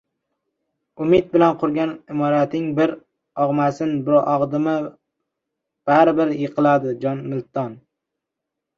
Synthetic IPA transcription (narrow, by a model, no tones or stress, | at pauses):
ʊmɪd̪̚bɪlanqʰʊɾɡʲanɪmɒɾat̪ɪŋbɪɾ | ɒʁmasɪnbʊʔɒʁd̪ɪma | b̥aɾɪbɪɾjeqʰɨlad̪ɪd͡ʒɒnmɪlt̪ʰɒn